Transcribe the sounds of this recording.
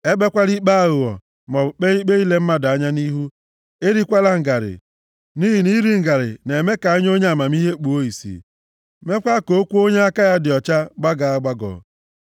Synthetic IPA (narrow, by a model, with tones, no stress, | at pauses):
e˦be˦kʷa˦ɾi˦k͡pa˦˨ɣʊ˨ɔ̰˨ | mɔ˨k͡pe˦i˦k͡pe˦i˦le˦m̩˦ma˦da˦ɲa˦ni˦ɦu˦ | e˦ɾi˦kʷa˦la˦ŋ̩˨ɡa˨ɾɪ̰˨ | ni˦ɦi˨ni˦ɾi˦ŋ̩˨ɡa˨ɾɪ̰˨ne˨me˦ka˨a˦ɲ˦o˦ɲe˦a˨ma˨mi˦ɦe˦k͡pu˨o˦i˨sḭ˨ | me˦kʷa˦ko˨˦kʷu˦o˦ɲe˦a˦ka˦ja˦dɪ˨ɔ˨t͡ʃa˦ɡ͡ba˦ɡa˨a˦ɡ͡ba˦ɡɔ̰˨